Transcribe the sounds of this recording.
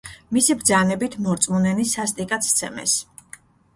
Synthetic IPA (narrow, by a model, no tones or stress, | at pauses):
misibɾd̪zanɛbit̪ʰmɔɾt̪sʼmunɛnisast̪ʼikʼat̪sʰt̪sʰɛmɛ̰s